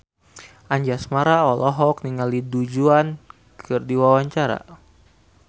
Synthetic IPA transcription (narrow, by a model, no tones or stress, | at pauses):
ʔaɲd͡ʒasmaɾaɔlɔɦɔk̚niŋalidud͡ʒuan | kʰɨrdiwawaɲt͡ʃaɾa̰